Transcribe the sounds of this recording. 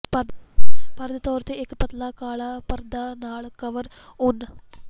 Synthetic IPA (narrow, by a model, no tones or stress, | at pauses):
pɐ | pɐɾd̪ɐt̪oːɾt̪ːɨekːɨpɐt̪ːɐlaːkaːɭapɐrnd̪aːnaːɭkɐʋɐr | onːɨ